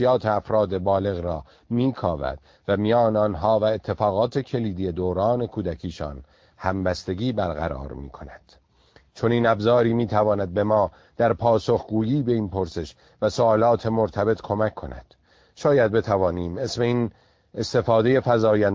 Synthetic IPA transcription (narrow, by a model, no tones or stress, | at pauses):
ijɒːt̪ʰeæfɾɒːd̪ebɒːle̞ɣɾɒː | miːkʰɒːvæ̰d̪̥ | væmijɒːneɒnɦɒːvæe̞t̪ʰːe̞fɒːɣɒːt̪ʰe̞cʰe̞liːd̪ije̞d̪oːɾɒːne̞kʰuːd̪ækʰiːʃɒ̰ːn | hæmbæst̪e̞ɡiːbæɾɣæ̰ɾɒ̰ːɾmḭːkʰo̞næd̪̥ | t͡ʃʰo̞niːnæbzɒːɾiːmiːt̪ʰævɒːnæd̪̚be̞mɒː | d̪̥æɾpʰɒːso̞xɡuːjiːbe̞inpʰo̞ɾse̞ʃ | væsoɒːlɒːt̪ʰe̞moɾt̪ʰæbe̞t̪ʰkʰo̞mækʰːo̞næ̰d̪̥ | ʃɒːjæd̪̚be̞t̪ʰævɒːniːmesme̞iːn | est̪e̞fɒːd̪e̞je̞fæzɒːjæn